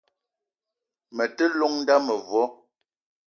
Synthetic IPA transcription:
mə˨tə˦lɔ˦ŋn̩˦da˦mə˨vwɔ˦

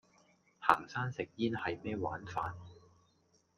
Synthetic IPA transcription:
ha̰ː˨˩ŋsaː˥nsɪ˨k̚jiː˥nhɐ˨jmɛː˥wa̰ː˨˥nfaː˨˧n

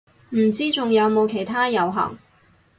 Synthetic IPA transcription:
m̩˨˩t͡siː˥t͡sʊ˨ŋjɐ˨˧wmo˨˧wkʰe˨˩jt̪ʰaː˥jɐ˨˧wɦɐ̰˨˩ŋ

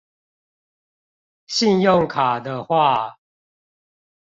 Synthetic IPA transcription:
ɕi˥˧njo˥˨ŋkʰa˨˩d̪ə˦xwa˥˨

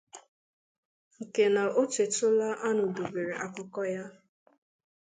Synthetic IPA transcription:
ŋ̩˨ke˨na˨ʔo˦t͡ʃe˨tʊ˦la˦ʔa˦nʊ˨do˨be˨ɾe˨ʔa˨kʊ˨kɔ˦ja˦

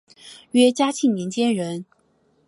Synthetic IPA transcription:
ɥɛ˥t͡ɕja˥t͡ɕʰi˥˩mi˧˥ŋt͡ɕjɛ˥nɻə˧˥n

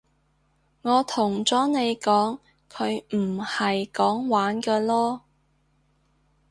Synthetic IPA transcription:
ŋɔː˨˧t̪ʰʊ˨˩ŋt͡sɔː˨˥ne˨˧jkɔː˨˥ŋ | kʰɵ˨˧ɥm̩˨˩hɐ˨jkɔː˨˥ŋwaː˨˥nkɐː˧lɔː˥

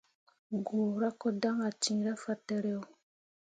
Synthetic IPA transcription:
ɡu˨ɾa˦kɔ˦da˦ŋa˨t͡ʃĩ˨ɾa˦fa˦tɛ˦ɾɛ˦o˨

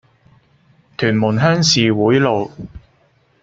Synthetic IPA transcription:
t̪ʰyː˨˩nmʊ˨˩nɦœː˥ŋsiː˨wuː˨˥jlo˨w

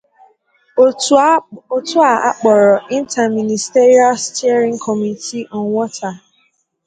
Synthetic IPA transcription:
o˦tu˦a˦˨a̰˦k͡pɔ˨ɾɔ˨i˦n̩˦ta˨mĩ˨ni˨ste˦ɾi˦a˦lstɛ˦ɾĩ˦ŋ̩˦kʰɔ˨mi˨tʰi˦ʔɔ˨ŋ˦wɔ˦tʰa˨

